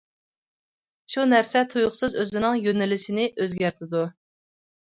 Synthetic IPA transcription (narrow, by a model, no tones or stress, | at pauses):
ʃunæɾsɛt̪ʰujʊχsɨzøzɪnɪŋjønɪlɪsɪnɪʔøzɡʲæɾt̪ʰɪd̪u